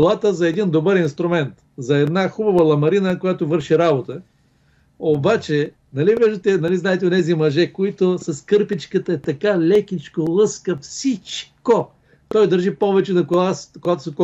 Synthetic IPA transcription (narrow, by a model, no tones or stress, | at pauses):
lˠat̪əzɐɛd̪ind̪obəɾinst̪ɾʊmɛnt̪ | zɐɛd̪naxubɐvəlˠɐmɐɾinəkojat̪ovɤɾʃiɾabot̪ə | obat͡ʃɛ | nɐliviʒd̪ət̪ɛnɐliznaɛt̪ɛonɛzimɐʒɛkoit̪ʊsɐskɤɾpit͡ʃkət̪əɛt̪ɐkalʲɛkʲit͡ʃkolˠɤskəfsit͡ʃko | t̪ɔjd̪ɐɾʒipɔvɛt͡ʃɛnɐkoaskoɡat̪o̥sɛk